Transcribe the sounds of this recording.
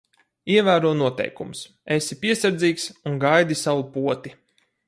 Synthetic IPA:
iɛvæːɾuɔnuɔt̪ɛ̰jkums | esipiɛsaɾd̪ziːksuŋɡajd̪isawupuɔt̪i

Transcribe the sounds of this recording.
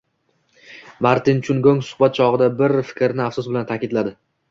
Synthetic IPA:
maɾt̪ʰɪnt͡ʃʰʊŋɡoŋsʊ̥hbat̪̚t͡ʃʰɒʁɨd̪abɪɾfɪ̥kʲɾnɪafsʊsbɪlant̪ʰakʲɪd̪lad̪ɪ

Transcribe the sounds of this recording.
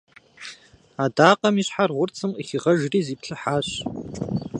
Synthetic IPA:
adaːqɐmiɕħarʁʷʊrt͡sʰɨməχiʁɐʒriːziːpʰɬʰɨħaːɕ

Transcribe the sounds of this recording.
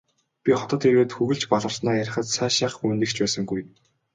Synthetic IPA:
pʲiχɔt̪ɞ̆t̪eɾweːt̪xuɣɘ̆ɬt͡ɕpɔɮʁə̆rsnaːjæɾ̆ʲχə̆t̪saːʃaχuːnt̪ɘ̆kt͡ɕpæːsə̆ŋɡuj

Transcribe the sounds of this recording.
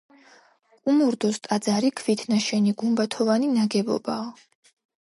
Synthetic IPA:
kʼumuɾd̪ɔst̪ʼad̪zaɾikʰvit̪ʰnaʃɛniɡumbat̪ʰɔvaninaɡɛbɔ̰baɔ

